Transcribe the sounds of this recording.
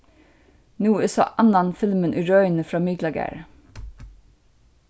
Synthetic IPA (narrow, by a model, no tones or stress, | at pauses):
nuːɪːsɑ̰ːʔɑnɑnfɪlmənʔʉɹœʏnəfɾɑːmɪɡlɑɡæ̰ɹ